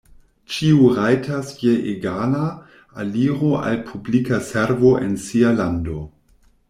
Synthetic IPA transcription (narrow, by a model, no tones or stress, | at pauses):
t͡ʃiuɾajtʰasjeʔeɡana | aliɾoʔa̰lpʰublikaseɾvoʔensialando̞